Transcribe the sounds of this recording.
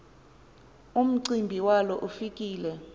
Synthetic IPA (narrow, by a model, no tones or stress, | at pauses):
um̩ǀimbʱiwalɔʔufikʼiːlɛ